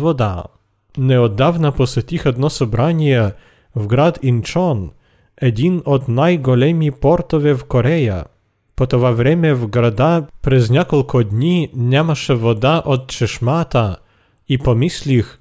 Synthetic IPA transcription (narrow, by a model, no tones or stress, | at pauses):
vɔd̪a̰ | nɛɔd̪ːavnapɔsɛt̪ʲixɛd̪nɔsɔbɾanʲjɛ | vɡɾad̪int͡ʂɔn | ɛd̪ʲinɔd̪najɡɔlʲɛmʲipɔɾt̪ɔvʲɛvkɔɾɛja̰ | pɔt̪ɔvavɾʲɛmʲɛvɡɾad̪apɾɛznʲɛkɔlkʰɔd̪nʲinʲɛmaʂɛvɔd̪aʔɔt̪̚t͡ʃɛʂmat̪a | ipɔmɪsʲlʲix